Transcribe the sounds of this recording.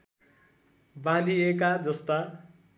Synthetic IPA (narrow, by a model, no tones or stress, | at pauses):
bãd̪iekad͡zʌst̪a